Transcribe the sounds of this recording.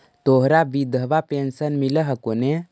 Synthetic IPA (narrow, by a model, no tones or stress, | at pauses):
t̪oɦɾabid̪ʱəʋapensənmiləɦəkone